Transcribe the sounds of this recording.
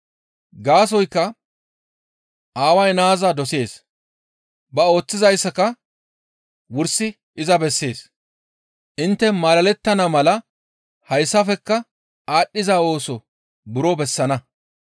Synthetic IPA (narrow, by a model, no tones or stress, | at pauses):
ɡaːs̬ɔjkːɐ | ʔaːwɐjnaːzɐd̪ɔse̞ːs | bɐo̞ːt͡sːɪzɐjsːɐkɐ | wʊɾsɪ | ɪzɐbɛsːe̞ːs | ʔɪnt̪ːɛmaːlɐlɛt̪ːɐnɐmɐlɐ | hɐjsːɐfɛkːɐ | aːɗːɪzaːo̞ːsɔ | bʊɾɔbɛsːɐnɐ